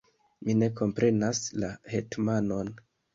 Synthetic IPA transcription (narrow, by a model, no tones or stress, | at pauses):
mine̞ko̞mpɾe̞naslahetmano̞n